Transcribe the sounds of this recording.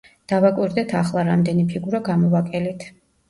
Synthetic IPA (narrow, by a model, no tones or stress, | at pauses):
d̪̥avakʼwiɾd̪ɛt̪ʰaχlˠaɾamd̪ɛnipʰiɡuɾaɡamɔvakʼɛlit̪ʰ